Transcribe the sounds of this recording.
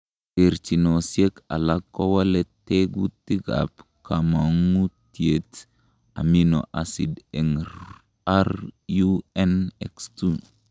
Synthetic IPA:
eɾt͡ʃinosjeka̰lakːowaleteɡutiɡa̰p | kamaŋutiet | a̰mino̰ʔasideŋɾ | aɾjuɛnekstu

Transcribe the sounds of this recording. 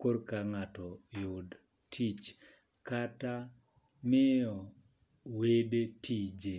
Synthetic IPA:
koɾkaŋatɔjʊd | tʰit͡ʃ | kata | mɪɔ | wedetʰid͡ʒe

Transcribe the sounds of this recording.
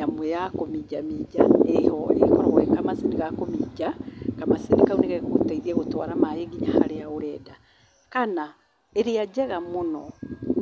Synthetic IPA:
amwɛjakomid͡ʒamid͡ʒa̰ehɔḛkɔɾɔɣoɛkamasiniɣakomid͡ʒakamasenikauneɣaɣaɣo̰taiðiɛɣotwa̰ɾamaeɡiɲahaɾeaoɾɛːda | kana | eɾead͡ʒɛɣamonɔ

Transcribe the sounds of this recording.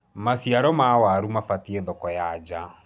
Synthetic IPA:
masiaɾɔmawaɾumafatieðɔkɔjad͡ʒa

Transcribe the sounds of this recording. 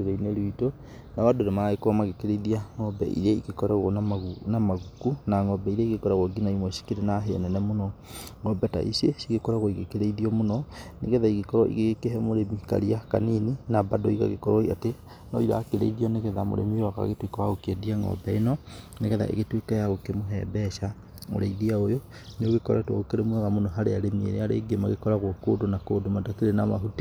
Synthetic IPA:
eɾeineɾuito | nawadonemaɣekoamaɣekeɾeiðiaŋɔbɛ̰ʔḭɾɛikekɔɾaɣɔnaaɣunamaɣukunaŋɔbɛiɾɛiɣekɔɾaɣɔɡinaimwɛsi̥keɾenaɦḛnɛnɛmonɔŋɔbɛta̰ḭsesiɣekɔɾaɣɔiɣekeɾeiðiɔmonɔneɣɛðaiɣekɔɾɔʔḭɣeɣekeɦɛmoɾemika̰ɾiaka̰nininabadɔiɣa̰ɣḛkɔɾɔiate | nɔiɾa̰ːkeɾḛiðiɔneɣɛðamo̰ɾḛmiwaka̰ɣetwikawaɣokɛdiaŋɡɔ̰bɛenɔneɣɛða̰ʔḛɣetwekajaɣokemoɦɛ̰bɛʃa | mo̰ɾeiðiaojo | neoɣekɔɾtwɔɣokeɾemwɛɣamonɔɦaɾeaɾemiḛɾeaɾḛɡemaɣekɔɾaɣwokodonakodomadakeɾenamaɦute

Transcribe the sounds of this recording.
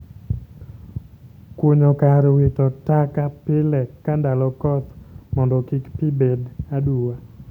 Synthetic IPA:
kwoɲɔkaɾwɪtɔtakapɪlɛkːandalɔkɔt̪mɔndɔkɪkpibedaduwa

